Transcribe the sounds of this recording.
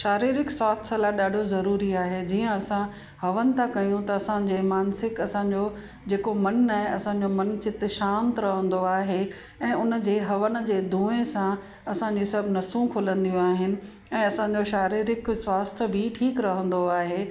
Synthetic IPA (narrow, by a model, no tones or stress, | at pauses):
ʃaːɾiːɾɪkswaːst̪ʰəlaːɗaːɖʱozɐɾuːɾiaːɦed͡ʑiːə̃ɐsã | hɐʋənɪ̆t̪ʰakɐjũt̪ɐɐsãd͡ʑeːmaːnsɪkɐsãɲd͡ʑo | d͡ʑeːkomɐnːaːɦɐsãɲd͡ʑomɐnt͡ɕɪt̪ʃãːnt̪ɾɐɦə̃nd̪oaːɦe | ɛ̃ːʊnə̆d͡ʑeːɦɐʋən̆d͡ʑeːd̪ʱũːesã | ɐsãɲd͡ʑisɐbʱɪnɐsũkʰʊlə̃nd̪ijũaːɦɪnɪ̆ | ɛ̃ːɐsãɲd͡ʑoʃaːɾiːɾɪkswaːst̪ʰə̆bɪʈʰiːkɾɐɦə̃nd̪oaːɦeː